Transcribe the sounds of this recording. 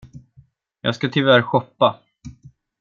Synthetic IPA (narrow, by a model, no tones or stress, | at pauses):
jɑ̰ːɡskat̪ʰʏvæɾɧɔpːa